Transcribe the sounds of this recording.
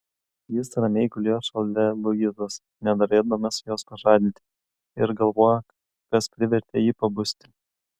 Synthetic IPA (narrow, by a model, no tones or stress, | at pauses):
jɪsɾɐmʲɛɪkʊlʲiʃɐlˠʲlʲɛlˠʊɡɪt̪ɐs | nʲɛnɐɾʲeːd̪ɐmʲɐsjoːspɐʒɑːd̪ʲɪnʲt̪ʲɪ | ɪɾɡɐlˠʋoːjɛ | kɐspʲɾʲɪʋʲɛɾʲt̪ʲejiːpɐbʊsʲt̪ʲɪ